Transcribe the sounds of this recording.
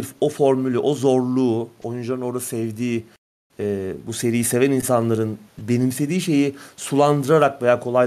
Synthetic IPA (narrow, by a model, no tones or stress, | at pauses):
ɾfo̞foɾmylʲɛʔo̞zo̞ɾlˠuːo̞jund͡ʒ̪anɯno̞ɾasɛvd̪iː | ɛːbuse̞ɾijise̞væninsanlˠaɾɯnbe̞nimse̞d̪iːʃe̞jisulˠand̪ɯɾaɾakve̞jaːkʰo̞lˠaj